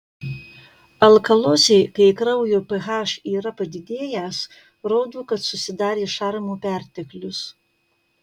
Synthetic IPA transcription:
ɐlˠkɐlˠoːsʲɛɪkɐɪkɾɐʊjoːpɛɣɑːʃiːɾɐpɐd̪ʲɪd̪ʲeːjɛs | ɾoːd̪uːkɐt̪sʊsʲɪd̪ɑːɾʲeːʃɑɾmuːpʲæˑɾʲt̪ʲɛklʲʊs

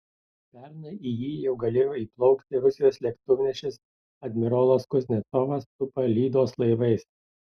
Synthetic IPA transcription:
pʲɛɾnɐijiːjɛʊɡɐlʲeːjoːiːplˠɒʊkt̪ʲɪɾʊsʲɪjoːslʲɛkt̪ʊʋʲnʲɛʃʲɪs | ɐd̪ʲmʲɪɾolˠoskʊzʲnʲɛt̪sɔʋɐst̪ʊpɐlʲiːd̪oːslˠɐɪʋɐɪs

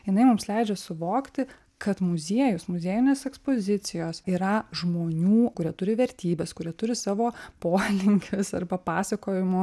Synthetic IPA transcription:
jɪnɐɪmʊmslʲɛɪd͡ʒʲɛsʊʋoːkt̪ʲɪ | kɐt̪mʊzʲiɛjʊsmʊzʲeːjʊnʲeːsɛkspoːzʲɪt̪sʲɪjoːsiːɾɐʒmoːnʲuːkʊɾʲiɛt̪ʊɾʲɪʋʲɛɾʲt̪ʲiːbʲɛːskʊɾʲiɛt̪ʊɾʲɪsɑːʋoːpoːlʲɪŋʲkʲɪsɐrbɐpɑːsɐkoːjɪmoː

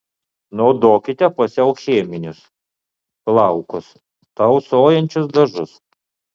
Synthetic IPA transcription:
nɔːd̪oːkʲɪt̪ʲɛpɐsʲɛʊxʲeːmʲɪnʲʊs | plˠɐʊkʊs | t̪ɐʊsoːjɛnʲt͡ʃʲʊsd̪ɐʒʊs

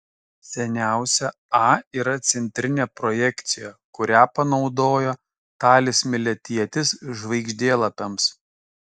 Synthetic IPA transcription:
sʲɛnʲæˑʊsʲɛ | ɑːiːɾɐt̪sʲɛnʲt̪ʲɾʲɪnʲeːpɾɔjɛkt̪sʲɪjɛkʊɾʲæːpɐnɒʊd̪oːjoː | t̪ɑːlʲɪsʲmʲɪlʲɛt̪ʲiɛt̪ʲɪsʒʋɐɪɡʒʲd̪ʲeːlˠɐpʲɛms

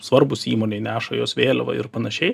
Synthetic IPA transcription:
sʋɐɾbʊsiːmoːnʲɛɪnʲæːʃɐjoːsʋʲeːlʲɛʋɐ̰ɪ̰ɾpɐnɐʃʲɛɪ

